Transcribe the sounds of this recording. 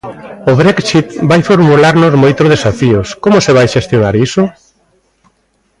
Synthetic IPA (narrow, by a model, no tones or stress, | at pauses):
ʊβɾɛksit̪bajfoɾmulaɾnozmojt̪ɾoð̞esafiʊskomʊseβajʃest̪jonaɾisʊ